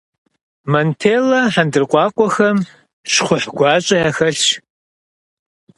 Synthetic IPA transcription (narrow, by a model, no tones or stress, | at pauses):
mɐntʰeːlɐħandɨrqʷʼɑːqʷʼɔxɐm | ʂχʷʊħɡʷɑːt͡ʃʼɐjaxɐɬt͡ʃ